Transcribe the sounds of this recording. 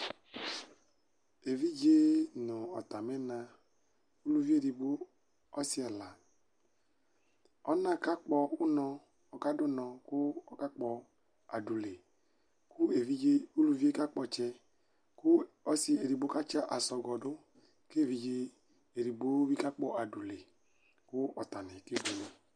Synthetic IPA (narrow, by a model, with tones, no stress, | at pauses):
e˨vi˦d͡ʒe˦nu˨ɔ˨ta˨mɛ˦na˧ | u˦lu˧vi˦e˦˨ɾi˧bo˦ | ɔ˦si˦ɛ˨la˨ | ɔ˦na˦˨ka˦k͡pɔ˧u˦nɔ˧ | ɔ˨ka˦dʊ˦nɔ˧ku˦ɔ˦ka˦k͡pɔ˧ | a˨du˨le˨ | ku˦e˨vi˦d͡ʒe˧u˦lu˧vi˦e˦ka˦k͡pɔ˧t͡ʃɛ˧ | kʊ˦ | ɔ˦si˧e˨ɾi˨bo˦ka˦t͡ʃa˦ʔa˨sɔ˧ɡɔ˨dʊ˦ | ke˦˨vi˧d͡ʒe˧ | e˨ɾi˨bo˦wi˦ka˦k͡pɔ˧ʔa˨du˨le˨ | kʊ˦ɔ˨ta˨nɛ˨ke˦ɡu˨lo˦